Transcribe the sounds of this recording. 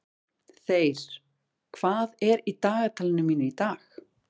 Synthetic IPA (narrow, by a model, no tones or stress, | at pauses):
θejɾ̥ | kʰv̥aːðɛɾit̪aːɣat̪ʰaːlɪnʏmiːnʏit̪aːx